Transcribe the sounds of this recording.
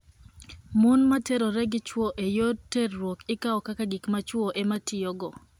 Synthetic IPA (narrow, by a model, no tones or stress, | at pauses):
munmateɾoɾɛɡɪt͡ʃwoʔejoterːwokɪkaɔkakaɡikmat͡ʃwoʔematɪjoɡɔ